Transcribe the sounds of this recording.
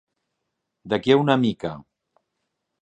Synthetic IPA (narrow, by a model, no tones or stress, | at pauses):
d̪akiaunamika